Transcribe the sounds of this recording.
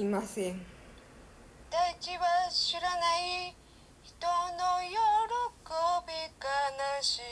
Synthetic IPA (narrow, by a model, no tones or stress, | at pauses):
imasẽŋ | d̪ait͡ɕiβaɕiɾanai | çi̥t̪onojoɾokobʲiɡanaɕi